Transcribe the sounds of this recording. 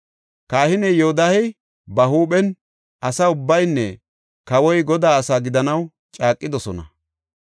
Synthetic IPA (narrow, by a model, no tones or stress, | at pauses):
kaːhɪnɛjod̪ahɛj | bɐɦuːpɛn | ʔɐsɐʊbːɐjnːɛ | kɐwɔjɡɔd̪aːɐsaːɡɪd̪ɐnɐw | t͡ʃʼaːkʼːɪd̪ɔsɔnɐ̰